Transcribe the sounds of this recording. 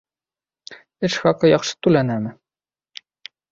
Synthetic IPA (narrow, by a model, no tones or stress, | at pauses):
ɘʃxɑqɤjɑχʃɤ̥t̪ulænæmɘ